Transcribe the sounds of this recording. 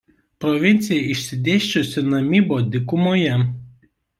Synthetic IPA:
pɾɔʋʲɪnʲt̪sʲɪjɛɪʃʲsʲɪd̪ʲeːʃʲt͡ʃʲʊsʲɪnɐmʲiːboːd̪ʲɪkʊmoːjɛ

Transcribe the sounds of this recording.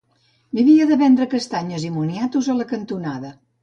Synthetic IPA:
biβiəðəβɛnd̪ɾəkəst̪aɲəzimunjat̪uzələkənt̪unaðə

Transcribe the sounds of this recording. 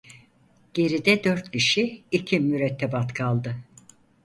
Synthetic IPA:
ɟ̥e̞ɾid̪ɛd̪øɾt̪ciʃiicʰimyɾɛt̪ʰːɛbat̪kʰalˠd̪ɯ

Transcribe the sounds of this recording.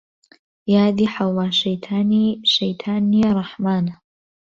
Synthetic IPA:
jaːd̪iːħawlɑːʃɐjt̪ʰaːniʃejt̪ʰaːnːirˤɑħmaːna

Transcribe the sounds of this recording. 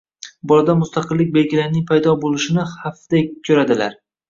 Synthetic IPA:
bɒlˠad̪amʊst̪aqʰɨlːɪk̚ʲbe̞lɡʲɪlaɾnɪŋpʰajd̪ɒbolˠɪʃɪnɪhafd̪̥akʲʰːɵɾad̪ɪla̰ɾ

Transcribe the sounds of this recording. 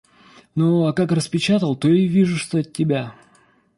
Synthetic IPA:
noakakrəspʲɪt͡ɕat̪əlˠt̪oɪvʲiʐʊʂt̪oət̚ʲːɪbʲa

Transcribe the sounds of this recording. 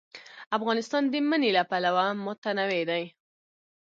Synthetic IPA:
afɣɑnɪst̪ɑnd̪əmənelapalawamʊt̪anawed̪aj

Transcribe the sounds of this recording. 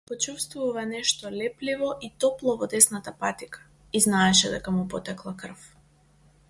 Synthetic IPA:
pɔt͡ʃufst̪vuvanɛʃt̪ɔlɛplivɔʔit̪ɔplˠɔvɔd̪ɛsnat̪apat̪ikʰḁ | iznaɛʃɛd̪ɛ̰kamupɔt̪ɛklˠakr̩f

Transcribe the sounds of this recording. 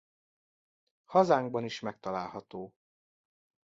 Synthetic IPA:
hɒzaːŋɡbɒniʃmɛk̚t̪ɒlaːlɦɒt̪oː

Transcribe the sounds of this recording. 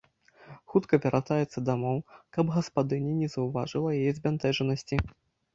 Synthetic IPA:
xut̪kɐvʲaɾʔat̪ajɛt̪sːɐd̪amɔwkɐbɣɐspad̪ɨnʲinʲɛzɐwva̰ʐɨlˠɐjajɛzʲbʲant̪ɛʐɐnɐsʲt͡sʲi

